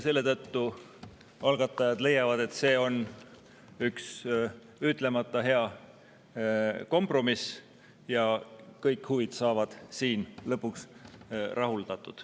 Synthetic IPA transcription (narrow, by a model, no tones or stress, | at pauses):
se̞lːe̞t̪ɤt̪ːu | ɑlɡ̥ɑt̪ːˑɑjɑd̪̥le̞jɑvɑd̪e̞t̪se̞ːo̞n | yks | yt̪ˑle̞mɑt̪ːˑɑɦe̞ɑ | ko̞mpro̞mis | jɑkɤjkhuvid̪̥sɑːvɑd̪̥siːnlɤpːuks | rʔɑɦuld̪ɑt̪ːˑud̪̥